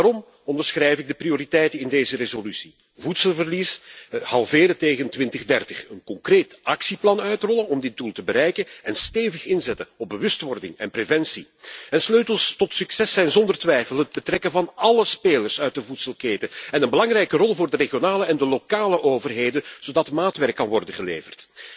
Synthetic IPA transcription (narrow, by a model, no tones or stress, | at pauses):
daɾɔm | ɔndərsxrɛjvɪɡ̚dəprioɾitɛjtənɪndeːzərezolysi̥ | vutsəlˠvərlishɑlˠveːɾəteːɣəntʋɪntəɣdɛrtəxənkɔŋkreːtɑksiplɑnœɥtrɔlənɔmdɪt̚dulˠtəbəɾɛjkənɛnsteːvəxɪnzɛtəɔb̚bəʋɵstʋɔrdɪ̰ŋɛ̰nprevɛnsi | ɛnsløːtəlˠstɔtsyksɛsɛjnzɔndərtʋɛjfəlˠɦəd̚bətrɛkənvɑnɑləspeːlərsœɥt̚dəvutsəlˠkeːtəɛnənbəlɑŋrɛjkərɔlˠvʊːrdəreɣjonaːləɛndəlokaːləʔoːvərɦeːdənz̥oːdɑtmaːtʋɛrkːɑnʋɔrdənɣəleːvərt